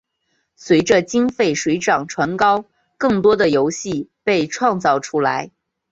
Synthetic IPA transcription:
swe˧˥ɪʈ͡ʂə˧t͡ɕi˥ŋfe˥˩ɪʂwe˧˥ɪʈ͡ʂɑ˨˩ŋʈ͡ʂʰwa˧˥nkɑ˥ʊ | kɤ˥˩ŋt̪wɔ˥d̪ə˨jo˧˥ʊɕi˥˩pe˥˧ɪʈ͡ʂʰwɑ˥˧ŋt͡sɑ˥˩ʊʈ͡ʂʰu˥la̰˧˥ɪ

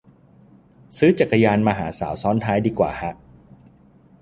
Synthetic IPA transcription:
sɯː˦˥t͡ɕa˨˩kːa˧jaː˧nmaː˧ɦa̰ː˩˦sa̰ː˩˦wsɔː˦˥nt̪ʰaː˦˥jdiː˧kwa̰ː˨˩ha˦˥ʔ

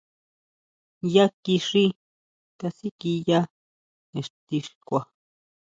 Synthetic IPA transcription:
ja˦ki˧ʂi˦ | t̪a˧si˦ki˧ja˦ | e˨ʂt̪i˧ʂi̥kʷa˨

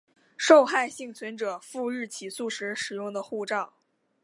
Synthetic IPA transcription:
ʂo˥˧ʊxa˥˧ɪɕi˥˩ŋt͡sʰwə˧˥nʈ͡ʂɤ˨˩fu˥˧ɻɻ̩˥˩t͡ɕʰi˨˩su˥˩ʂɻ̩˧˥ʂɻ̩˨˩jʊ˥˩ŋd̪ə˩xu˥˧ʈ͡ʂɑ˥˩ʊ

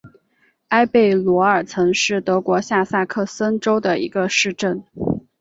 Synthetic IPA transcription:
a˥ɪpe˥˩ɪlwɔ˧˥ə˞˨˩t͡sʰɤ˧˥ŋʂɻ̩˥˩t̪ɤ˧˥kwɔ˧˥ɕja˥˧sa˥˧kʰɤ˥˩sə˥nʈ͡ʂo˥ʊd̪ə˨˩ḭ˧˥ɡə˧ʂɻ̩˥˧ʈ͡ʂə˥˩n

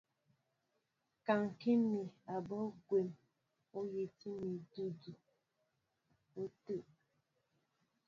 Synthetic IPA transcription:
ka˨ŋ̩˨ki˦mi˨a˨bɔ˦ɡʷe˨m | o˦je˨ti˦mi˨du˦du˨ | o˦tu˦˨ʔ

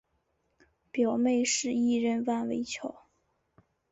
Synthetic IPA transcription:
pjɑ˨˩ʊme˥˧ɪʂɻ̩˥˧i˥˧ɻə˥˧nwa˥˩nwe˧˥ɪt͡ɕʰjɑ˨˧˩ʊ

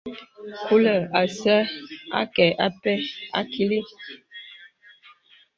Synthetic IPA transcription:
ku˦lə˨a˨sɛ˦a̰˦kɛ˨ʔa˦pɛ˦a̰˦kʰi˦li˦

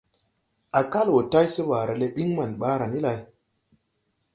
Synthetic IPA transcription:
a˨ka˦lwo˨ta˦jsi˦ba˨ɾa˨le˦ɓi˦ŋma˨nɓa˦ɾa˨ni˦la˨j

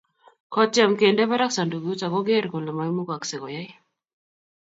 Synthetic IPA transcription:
kʰɔ˦t͡ʃɛ˨mke˨ndɛ˦βa˦ɾa˦k̚sa˨ndu˨ɡu˦t͡ʃa˨ɡɔ˦ɡe˦ɾɡɔ˨la˨ma˨jmu˦ka˨ksɛ˨kɔ˨ja˦j

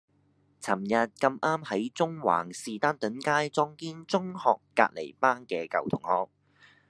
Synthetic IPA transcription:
t͡sʰɐ˨˩mjɐ˨t̚kɐ˧mʔaː˥mhɐ˨˥jt͡sʊ˥ŋwa̰ː˨˩ŋsiː˨t̪aː˥nt̪ɵ˨˥nkaː˥jt͡sɔː˥ŋkiː˥nt͡sʊ˥ŋhɔː˨kːa̰ː˧t̚le˨˩jpaː˥nkɛː˧kɐ̰˨˩wt̪ʰʊ˨˩ŋhɔː˨k̚

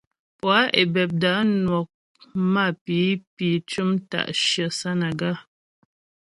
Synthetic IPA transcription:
pwa˨˦ʔe˨bɛ˨p̚da˨˦nwɔ˨k̚ | ma˦˨pi˨˦pi˨˦t͡ʃu˦mta̰˨ʔʃjə˨sa˦na˨ɡa˦˨

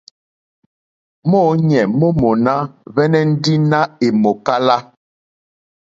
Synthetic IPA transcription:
mɔː˦ɲɛ˨mo˦mo˨na˦vɛ˦nɛ˦n̩˦di˦na˦e˨mo˨ka˦la˦

